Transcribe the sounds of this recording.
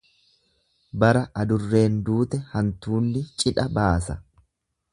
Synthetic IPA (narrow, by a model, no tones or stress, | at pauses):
bɐɾɐʔɐd̪ʊrːe̞ːnd̪uːt̪ɛhɐnt̪uːnːɪt͡ʃʼɪᶑɐbaːsɐ